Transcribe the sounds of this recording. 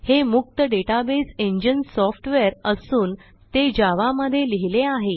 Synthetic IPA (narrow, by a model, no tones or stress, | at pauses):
hemuk̚t̪əɖeʈabeseɲd͡ʑənsɔfʈʋeɾəsuːn | t̪ed͡ʑaʋaməd̪ʱːjeliɦileaɦe